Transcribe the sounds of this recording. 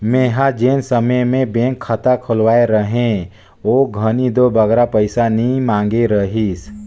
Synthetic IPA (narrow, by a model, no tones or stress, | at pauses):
meːɦad͡ʒeːnsəməjmẽbẽŋkʰːət̪akʰolwaːeɾəɦẽ | oːɡʱənid̪obəɡɾapəɪsanimãːŋɡeɾəɦis